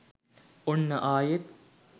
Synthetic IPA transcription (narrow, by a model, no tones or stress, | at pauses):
onːɐʔaːjet̪